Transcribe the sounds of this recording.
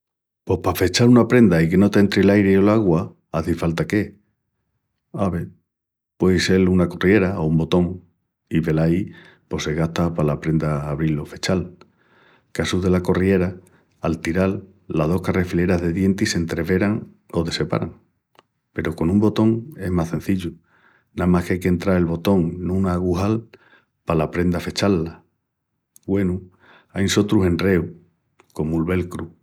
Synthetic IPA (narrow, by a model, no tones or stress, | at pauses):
po̞pafet͡ʃaɾunapɾe̞nd̪aike̞no̞t̪nt̪ɾilajɾeo̞laɣwa | aθifalt̪ake̞ | aβ̞e̞ | pwe̞jse̞lunako̞rie̞ɾaoumbo̞t̪o̞ŋ | iβe̞lai | po̞se̞ɣaht̪apalapɾe̞nd̪aːβ̞ɾilo̞fe̞t͡ʃal | kasuðe̞lako̞rie̞ɾa | alt̪iɾalː | aðo̞hkare̞file̞ɾaɦðe̞ðje̞nt̪ise̞nt̪ɾe̞βe̞ɾaŋ | o̞ðe̞se̞pa̰ɾaŋ | pe̞ɾoko̞nũmbo̞t̪o̞ŋe̞ɦmasθẽ̞n̟θiʎu | namahkajkent̪ɾaɾe̞lβo̞t̪o̞ŋnũnaːɣuɦal | palapɾe̞nd̪afe̞t͡ʃalːa | ɡwe̞nu | ajnso̞t̪ɾuɦe̞nre̞u | ko̞mulβe̞lkɾu